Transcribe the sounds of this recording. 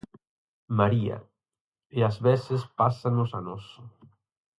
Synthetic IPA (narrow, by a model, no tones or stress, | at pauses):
maɾia̰ | eazβesespasanʊsanɔsʊ